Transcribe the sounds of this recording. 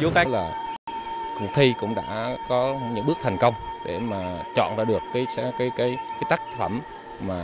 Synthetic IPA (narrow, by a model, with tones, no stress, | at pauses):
zo˨˦kaː˦˥laː˨˩ | kʊ̰˨˩k̚t̪ʰi˧kʊ̰˧˥ŋ͡mɗa̰ː˧˥kɔ˨˦ɲɨ̰˧˥ŋɓɨ˦˥ək̚t̪ʰjŋ̟kə˧wŋ͡mɗe˧˩maː˨˩t͡ɕɔ̰˧˨nɾa̰ː˧˩ɗɨ˨˩əkːaː˨˦jskaː˨˦jkaː˨˦jkaː˨˦jt̪aː˦˥k̚fə˧˩mː | aː˨˩